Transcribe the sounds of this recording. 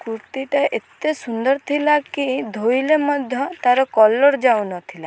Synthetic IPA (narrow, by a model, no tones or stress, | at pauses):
kuɾt̪iʈaʔet̪esund̪ɔɾt̪ʰilakid̪ʱojlemɔd̪ʱjɔt̪aɾɔkɔlɔɾd͡ʒawnɔt̪ʰila